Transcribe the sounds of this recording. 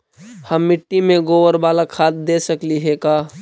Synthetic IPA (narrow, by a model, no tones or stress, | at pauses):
həmːɪʈːimẽɡoʋəɾbaːlakʰaːt̪̚d̪esəkliɦekaː